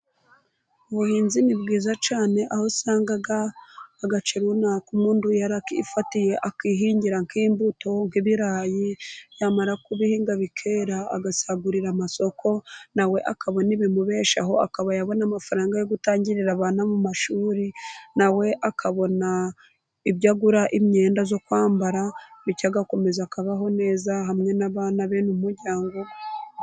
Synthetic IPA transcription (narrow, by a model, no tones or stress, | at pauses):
uβuhiːnzimibɡiːzat͡ʃaːne̞ʔaho̞saːŋɡaɡaːɡat͡ʃeɾunakumŋuːndujaɾakifatije̞ʔakiːɦiːɲɟiɾaŋkiːmbuto̞ŋkiβiɾajijaːmaɾakuβihiːŋɡaβikʰe̞ɾa̰ːɡasaɡuɾiɾamaso̞kʰo̞nawe̞ʔakaβo̞niβimuβe̞ːʃa̰ɦo̞a̰kaβajaβo̞namafaɾaːŋɡajo̞ɡutaːɲɟiɾiɾaβaːnamumaʃuːɾinawe̞ʔakʰaβo̞na | iβɟaɡuɾaʔimɲe̞ːndazo̞kwaːmbaɾaβicaɡako̞me̞zakaβaɦo̞ne̞ːzaɦamŋe̞naβaːnaβeːnumumuɾɟaːŋɡo̞